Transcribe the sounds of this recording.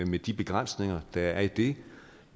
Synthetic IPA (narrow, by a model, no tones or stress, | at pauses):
med̥ib̥e̝ɡ̥ʁan̰sne̝ŋɐd̥ɑæɐid̥e̝